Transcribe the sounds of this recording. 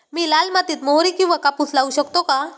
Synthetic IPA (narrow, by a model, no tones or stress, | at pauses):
miːlalmat̪iːt̪moɾikĩw̃ʋakaput͡slauɕəkt̪oka